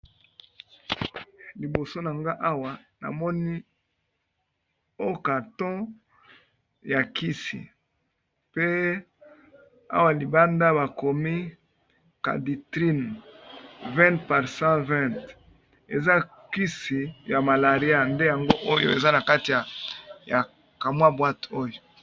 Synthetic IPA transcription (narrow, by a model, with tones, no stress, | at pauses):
li˨bo˨so˦na˨ŋɡa˦ʔa˦wa˨na̰˨mɔ˦ni˦ | o˦ka˨tɔ̃˦ | ja˨ki˦sḭ˨ | pe˦ | a̰˦wa˦li˨ba˦nda˦βa˨ko˨mi˦ | ka̰˨di˨tʁi˦n | vɛ̃˦ntpa˨ʁsã˦vɛ̃˦nt | e˨za˦ | ki˦si˨ja˨ma˨la˨ʁi˦a˦nde˦ja˨ŋɡo˦ʔo˦jo̰˦ḛ˨za˦na˨ka˦ti˨ja˨ja˨ | ka˨mwa˦bwa˦to˦jo˨